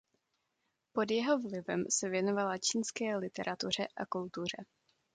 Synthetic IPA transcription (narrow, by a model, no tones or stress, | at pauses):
po̞djɛɦo̞vlɪvɛmsɛvjɛnovalat͡ʃiːnskɛːlɪt̪ɛɾʔat̪ur̝ɛʔakult̪ur̝ɛ